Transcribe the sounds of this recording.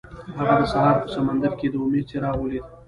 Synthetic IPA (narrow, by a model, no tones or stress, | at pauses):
ɦaɣad̪əsaɦɑɾpəsamand̪aɾked̪əʊmed̪̚t͡ʃeɾɑwəled̪